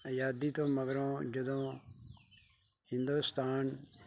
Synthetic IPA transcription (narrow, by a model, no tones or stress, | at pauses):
jaːd̪iːt̪ʰoːmɐɡəɾõːd͡ʒəd̪õː | hɪ̃nd̪ust̪aːn